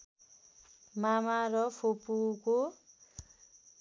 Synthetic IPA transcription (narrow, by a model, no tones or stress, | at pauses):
mamarʌpʰopuko